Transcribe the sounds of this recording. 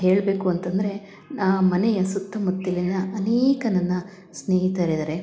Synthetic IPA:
ɦe̞ːɭbe̞ːkuɐnt̪ɐnd̪ɐɾe̞ | naːmɐnɛjɐsut̪ːɐmɐt̪ːɐlinːɐːneːkɐnɐnːɐ | sneːɦit̪aːɾid̪ɐɾe

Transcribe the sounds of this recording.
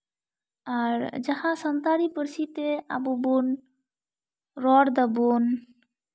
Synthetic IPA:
aɾd͡ʒahãsənt̪aɾipəɾsit̪ea̰bubun | ɾɔɽd̪əbun

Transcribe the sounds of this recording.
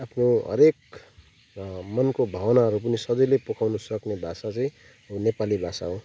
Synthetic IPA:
apʰnoɦʌ̰ɾek̚ | mʌnkobʱʌwʌnaɦʌɾup̬ʌnisʌd͡zʌjlepokʰawnusʌknebʱasat͡sʌĩ | nepalibʱasa̰ɦõ

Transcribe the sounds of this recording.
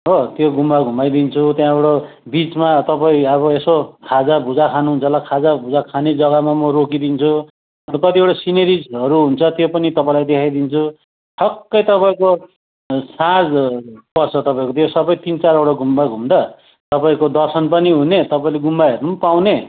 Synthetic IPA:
ɦot̪joɡʱumbaɡʱumbajd̪int͡sʰut̪jãewʈo | bit͡smat̪ʌpaĩʌβʌesokʰad͡zabʱud͡zakʰanuɦunt͡sʰʌlakʰad͡zabʱud͡zakʰaned͡zʌɡʌmamʌɾokid̪int͡sʰu | ʌnt̪ʌkʌt̪iewʈasineɾid͡zʌɾuɦunt͡sʰʌt̪jopʌnit̪ʌpaĩlajd̪ekʰajd̪int͡sʰu | ʈʰʌkːʌjt̪ʌpaĩko | sãd͡zpʌrt͡sʰʌt̪ʌpaĩkot̪josʌbʌjt̪int͡saɾewʈaɡʱumbaɡʱumd̪ʌ | t̪ʌpaĩkod̪ʌrsʌnpʌniɦunet̪ʌpaĩleɡumbaɦeɾnumpawne

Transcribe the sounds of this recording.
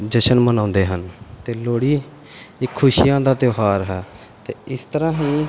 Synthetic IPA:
d͡ʒəʃənmənãːnd̪eːɦənt̪eːloːɽiː | ɪkʰːʊʃijãːd̪aːt̪joːɦaːɾɦɛː | t̪eːɪst̪əɾãːɦĩː

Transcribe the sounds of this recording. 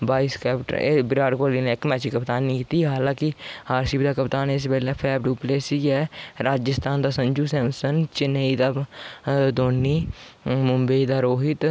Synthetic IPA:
baːiːskɛːpʈːbɪɾaːɖkoːliːneːɪkmɛːt͡ʃiːkəpt̪aːnːĩːkiːt̪iːɦaːlãːkɪhaːɾsiːbd̪aːkəpt̪aːnes̬pɛːlɛːpʰɛːbɖuːpleːsiːɡɛːɾaːd͡ʒəst̪ʰaːnd̪aːsəɲd͡ʒuːsɛ̃ːmsənt͡ʃɪneiːd̪aː | d̪oːnːiːmʊmbəiːd̪aːɾoːɦɪt̪

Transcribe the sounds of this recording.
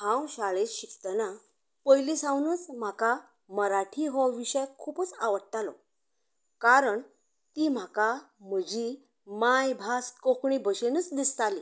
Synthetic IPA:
ãwɕaɭeɕikt̪əna | pəjlisãwnuːt͡sm̤aka | məɾaʈʰiɦɔʋiɕəjkʰuːpət͡saʋəɽt̪alɔ̰ | kaɾəɳ | t̪iːm̤aka | m̤əd͡ʑi | majbʱaskokɳibəɕenəːt͡sd̪ist̪ali

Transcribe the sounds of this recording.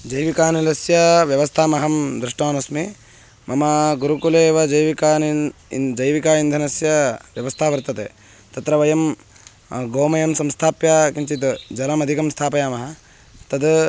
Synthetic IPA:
d͡ʒɐjʋikaːnilɐsjɐʋjɐʋɐst̪ʰaːmɐɦɐmd̪ɾuʂʈoːnɐsmi | mɐmɐɡuɾukuleːʋɐd͡ʒɐjʋikaːnid͡ʒɐjʋikaːind̪ʱɐnɐsjɐʋjɐʋɐst̪ʰaːʋɐɾt̪ɐt̪ḛː | t̪ɐt̪ɾɐʋɐjɐm | ɡoːmɐjɐmsɐmst̪ʰaːpjaːkiɲt͡ʃit̪d͡ʒɐlɐmɐd̪ʱikɐmst̪ʰaːpɐjaːmɐɦɐ | t̪ɐd̪

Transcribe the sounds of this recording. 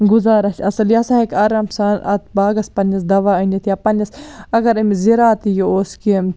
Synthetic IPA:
ɡuzaːɾɐʃɐsɐljɐsaɦekɐːɾɐmsanɐ̰t̪ʰbaːɡɐspɐnɐsd̪ɐʋaːɐnit̪ʰjaːpɐnɐsɐɡɐɾɐmiziɾaːt̪ijioːskim

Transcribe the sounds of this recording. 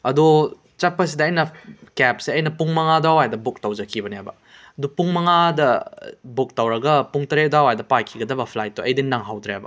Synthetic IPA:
ɐdu | t͡ʃapːɐs̬idɐːjnɐkɛp̚seɐjnɐpuŋmɐŋadawajdɐbuk̚tawd͡ʒɐkʰibɐniɦajbɐ | ɐdupuŋmɐŋadɐbuk̚tawɾɐɡɐpuŋtɐɾedawajdɐpajkʰiɡɐdɐbɐpʰlajt̚ːuɐjdinːaŋɦawdɾeajbɐ̰

